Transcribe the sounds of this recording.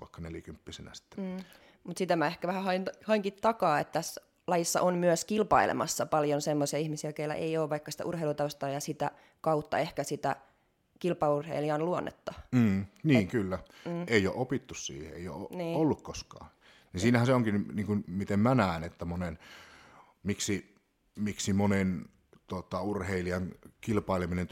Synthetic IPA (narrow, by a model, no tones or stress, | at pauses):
ʋɑ̰ˑikːɑneljækympːisenæ̰si̥t̪ːeː | mut̪sit̪æmæehkæʋæhæhɑinhɑiŋkit̪t̪ɑkɑːet̪ːt̪æsː | lɑjisːɑ̰ʔonmyøskilpɑilḛmɑ̰sːɑpɑljonsemːosiɑihmisiækeilːæ̰ʔeijoːʋʋɑikːɑsi̥t̪æ̰ʔurheilut̪ɑust̪ɑːjɑsit̪æ̰ | kɑut̪ːɑ̰ehkæsit̪æ̰ | kilpɑurhḛiliɑnluonːḛt̪ːɑm̩ːniːŋkylːæeˑijo̰ʔopit̪ːussḭːhḛḛˑijo̰ːoniːolːukkoskɑ̰ː | ninsiːnæhænseoŋkinniːŋkunmit̪emmænæˑːnet̪ːæmonen | miksi | miksimonen | t̪ot̪ɑurheiliɑŋkilpɑileminen